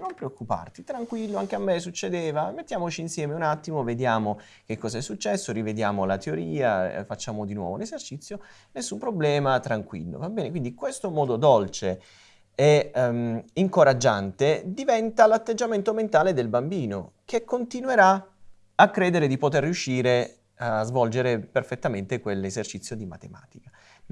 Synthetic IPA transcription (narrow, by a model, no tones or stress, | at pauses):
nompɾeokːupa̰rt̪it̪ɾaŋkwilːoaŋk̟eamːesut͡ʃːed̪eːvamet̪ːjaːmot͡ʃiːnsjɛːmeunat̪ːimoved̪jaːmo | kekːɔːzaɛsːut͡ʃːɛsːoɾived̪jaːmolat̪eoɾiːafat͡ʃːaːmod̪inwɔ̰vo̰lezert͡ʃit̪sjo | nesːumpɾoblɛːmat̪ɾaŋkwḭlːo̰vabːɛːnekwind̪ikwest̪omɔːd̪od̪ɔlt͡ʃe | e | iŋkoɾad͡ʒːant̪ed̪ivɛnt̪alat̪ːed͡ʒːament̪oment̪aːled̪elbambiːno | kekːont̪inweɾa | akːɾeːd̪eɾed̪ipot̪erːiuʃːiːɾe | azvɔld͡ʒeɾeperfet̪ːament̪ekwelːezert͡ʃit̪sjod̪ima̰t̪ema̰ːt̪ika